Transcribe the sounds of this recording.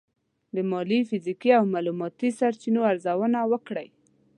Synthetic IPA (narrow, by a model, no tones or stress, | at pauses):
d̪əmɑlifizikiawmalumɑt̪isaɾt͡ʃinoaɾzawənawəkɽaj